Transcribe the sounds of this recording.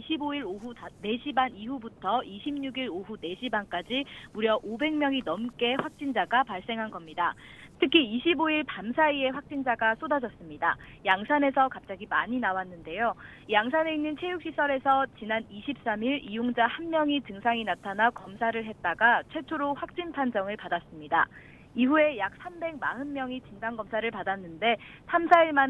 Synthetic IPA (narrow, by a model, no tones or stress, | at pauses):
iɕʰiboiɾoɦune̞ɕʰibaniɸubutʰʌiɕʰimɲuɡiɾoɦune̞ɕʰibank͈ad͡ʑimuɾjʌʔobe̞ŋmjʌŋinʌmk͈e̞ɸwak̚t͡ɕ͈ind͡ʑaɡapaɭs͈e̞ŋɦanɡʌmɲidatʰɯkʰiiɕʰiboiɭpamsʰaie̞ɸwak̚t͡ɕ͈ind͡ʑaɡas͈odad͡ʑʌs͈ɯmɲidajaŋsʰane̞sʰʌkap̚t͡ɕ͈aɡima̰ɲinawanːɯnde̞jo | jaŋsʰane̞inːɯnt͡ɕʰe̞juk̚ɕ͈isʰʌɾe̞sʰʌt͡ɕinaniɕʰip̚s͈amiɾijoŋd͡ʑahanmjʌŋit͡ɕɯŋsʰaŋinatʰanakʌmsʰaɾɯɭɦe̞t̚t͈aɡat͡ɕʰwe̞t͡ɕʰoɾoɸwak̚t͡ɕ͈inpʰand͡ʑʌŋɯɭpadas͈ɯmɲida̰ | iɸue̞jak̚s͈ʰambe̞ɡ̚maɦɯnmjʌŋit͡ɕindaŋɡʌmsʰaɾɯɭpadanːɯnde̞ | sʰamsʰaiɭman